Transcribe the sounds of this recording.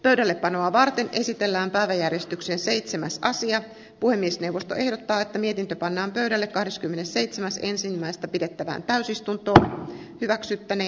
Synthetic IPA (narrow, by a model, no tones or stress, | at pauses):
pøydælːeppɑno̞ɑʋɑrt̪e̞ne̞sit̪e̞lːæːmpæiʋæjærjest̪yksense̞it̪semæsɑsiɑ | puhe̞mːiesnewʋːo̞st̪oʔe̞hdot̪ːɑːet̪ːæmie̞t̪int̪øpɑnːɑːmpøyɥɾælːekkɑhde̞skymːenesse̞jt̪semæse̞nsinmːæjst̪ɑpide̞t̪ːæʋæ̰ːnt̪æysist̪unt̪o̞ː | hyʋæksyt̪ːæneː